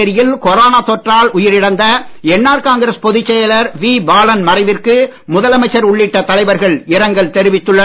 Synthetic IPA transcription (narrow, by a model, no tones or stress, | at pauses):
ɐɾɪjɪlkɔɾoːnaːt̪ɔʈraːlʊjɪɾɪɽɐnd̪ɐɛnːaːɾkaːŋɡɐɾɐspɔðɪt͡ʃːɛjɐlɐɾʋiːbaːlɐnmɐɾɐɪʋɪrkɯ | mʊðɐlɐmɐɪt͡ʃːɐɾʊɭːɪʈːɐt̪ɐlɐɪʋɐɾɣɐɭɪɾɐŋɡɐɭt̪ɛɾɪʋɪt̪ːɯɭːɐ